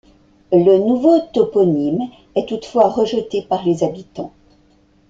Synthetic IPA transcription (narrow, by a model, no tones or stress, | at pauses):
lənuvot̪ɔpɔnim | ɛt̪ut̪fwaʁəʒət̪epaʁlezabit̪ɑ̃